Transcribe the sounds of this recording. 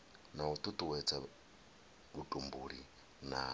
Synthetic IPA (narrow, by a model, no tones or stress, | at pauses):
naut̪ʼut̪ʼuwɛt͡sʰʼa | βutʼumbuɾi | na